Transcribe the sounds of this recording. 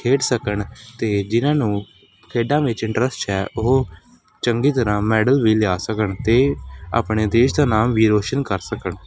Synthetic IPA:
kʰeːʈsəkəɳt̪eːd͡ʒɪnãːnũː | kʰeːɖãːʋɪt͡ʃɪ̃ɳʈɾəsʈɛːʔʊɦo | t͡ʃəŋɡiːt̪əɾãːmɛːɖəlʋiːlɪaːsəkəɳt̪eːa̰ːpɳeːd̪eːʃd̪aːnaːmʋiːɾoːʃənkəɾsəkəɳ

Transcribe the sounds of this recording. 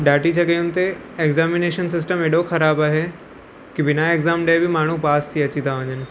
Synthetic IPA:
ɖaːʈit͡ɕɐɡəjũnt̪e | eɡzaːmɪneːʃənsɪs̬ʈəmeːɖoxɐɾaːbaːɦe | kibɪnaeɡzaːmɖeːbʱɪmaːɳ̤upaːst̪ʰiɐt͡ɕit̪aʋə̃ɲənɪ̆

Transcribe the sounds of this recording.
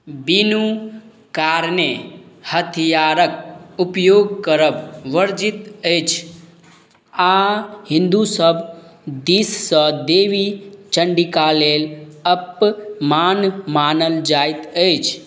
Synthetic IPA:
binu | kaːɾnehət̪ʰijaɾək̚upjoːɡkəɾəbʋəɾd͡ʒit̪ət͡ʃʰ | aɦĩnd̪usəbd̪issəd̪eːʋit͡ʃəɳɖikaleːləpmanmanəld͡ʒajt̪əjt͡ʃʰ

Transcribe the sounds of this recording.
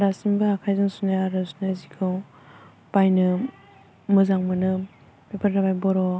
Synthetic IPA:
ɾasimbaakʰajzɯŋsunaaɾasunazikʰɯw | pajnɯ | mɯzaŋmanɯ | pepʰaɾɾabajbɔɾɔ

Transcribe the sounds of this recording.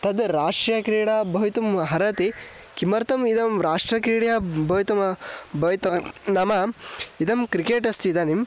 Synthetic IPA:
t̪ɐd̪ɾaːʂʈjɐkɾiːɽabɐʋit̪umɦɐɾɐt̪i | kimɐɾt̪ɐmid̪ɐmɾaːʂʈɾɐkɾiːɽɐjɐbɐʋit̪ɐmbʱɐt̪ɐnɐmɐid̪ɐmkɾikeːʈɐst̪id̪ɐnim

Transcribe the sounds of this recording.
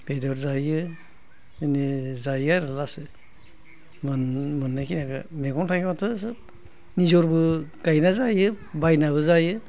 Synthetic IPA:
b̥edɔɾzajɯ | inizajaɾɯlasɯ | mɯnmɯnːakinaɡɯmeɡɔmtʰaɡimatʰɯsɯ | nizɔɾbɯɡ̥ajnazajɯ | bajnaβɯzajɯ

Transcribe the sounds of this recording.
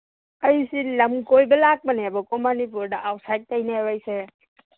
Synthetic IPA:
əjsiləmkojbəlak̚bənebɔkɔmanip̬uɾdaʔawsajt̚ːajnabajse

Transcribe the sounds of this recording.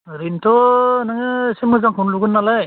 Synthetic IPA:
ɾintʰɔnaŋɯsemɯzaŋɦunluɡɯnːalaj

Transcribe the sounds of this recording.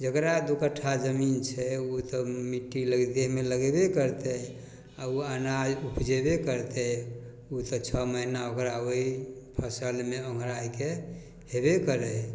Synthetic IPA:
d͡ʒəkɾad̪ukəʈʰːad͡ʒəmint͡ʃʰɛut̪ɔmiʈːiləɡd̪eɦmeləɡebekəɾt̪ɛ | auanad͡ʒupd͡ʒebekəɾt̪ɛ | ut̪ət͡ʃʰɔməɦinaokɾaoipʰəsəlmeõŋɡʱɾajke | ɦebekəɾə

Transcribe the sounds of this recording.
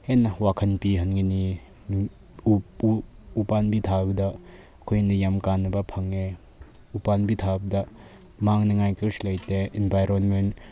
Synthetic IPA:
henːɐwakʰɐnpiɦɐnŋini | upanbitʰabɐdɐ | kʰojnɐjamkanːɐbɐpʰɐŋe | upanbitʰabɐdɐ | maŋnɐŋajkiɾslɐjteinbʱajɾonmen

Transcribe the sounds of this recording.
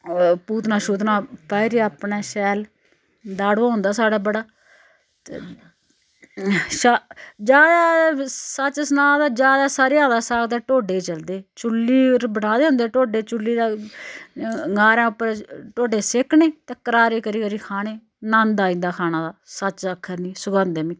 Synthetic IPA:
puːt̪naːʃuːt̪nãːpɛːɾiːapnaːʃɛːl | d̪aːɽoːãːʊ̃nd̪aːsaːɽaːbəɽaː | t̪ḛ | ʃad͡ʒaː | sət͡ʃsnaːd̪aːd͡ʒaːd̪aːsaːɾeːãːd̪aːsaːkt̪eːʈoːɖeːt͡ʃəld̪eːt͡ʃʊlːiːɾbəɽaːd̪eːɦʊ̃nd̪eːʈoːɖeːt͡ʃʊlːiːd̪aː | ɡaːɾãːʊpːəɾʈoːɖeːsekʰneːt̪eːkəɾaːɾeːkəɾiːkəɾiːkʰaːɽeː | nãːnd̪aːĩːnd̪aːkʰaːnãːd̪aːsət͡ʃəkʰːəɾnĩːsʊɡãːnd̪eːmĩː

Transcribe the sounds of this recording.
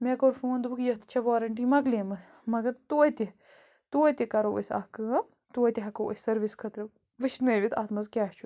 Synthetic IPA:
mekoːɾfũːɐnd̪ubɨkjɐht̪ʰt͡ʃʰɐʋoːɾɐɳʈimɐɡleːmɐs | mɐɡɐɾt̪uːt̪ʲi | t̪uːt̪ʲikɐɾoo̰sʲɐ̰hkɨː | t̪uːɐt̪ʲiɦɐkowʔo̰sʲsɐɾʋiskʰɐt̪ɾɨ | ʋɨʃnɨʋit̪ʰɐ̰t̪mɐzkʲɛːht͡ʃʰu

